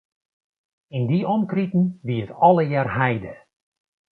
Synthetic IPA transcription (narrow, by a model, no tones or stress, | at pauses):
ɪndiɔmkritn̩ʋiətɔləjaːrɦɛjdə